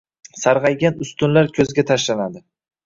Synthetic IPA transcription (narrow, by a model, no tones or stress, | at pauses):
saɾʁɑjɡʲanʊst̪ʊnlaɾkʲʰɵzɡʲat̪ʰaʃlanad̪ɪ